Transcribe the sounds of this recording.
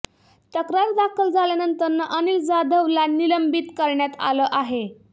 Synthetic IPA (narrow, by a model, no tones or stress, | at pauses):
t̪əkɾaɾd̪akʰəld͡zaljanənt̪əɾnəʔənild͡zad̪ʱəʋlaniləmbit̪kəɾɳjat̪a̰ləʔaɦe